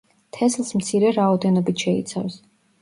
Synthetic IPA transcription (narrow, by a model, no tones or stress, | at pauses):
t̪ʰɛslˠsmt̪sʰiɾɛɾaɔd̪ɛnɔbit̪ʰʃɛḭt̪sʰa̰fs